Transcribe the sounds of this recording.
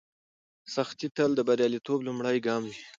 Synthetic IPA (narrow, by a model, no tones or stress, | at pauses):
saxt̪it̪əld̪əbaɾjɑlit̪oblumɽajɡɑmwi